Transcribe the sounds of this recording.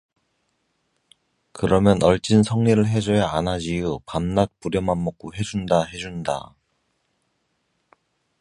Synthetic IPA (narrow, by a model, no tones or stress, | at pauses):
kɯɾʌmjʌnʔʌɭt͡ɕ͈insʰʌŋɲiɾɯɭɦe̞d͡ʑʌjaanad͡ʑiupamnat̚p͈uɾjʌmanmʌk͈̚oɦe̞d͡ʑundaɦe̞d͡ʑunda̰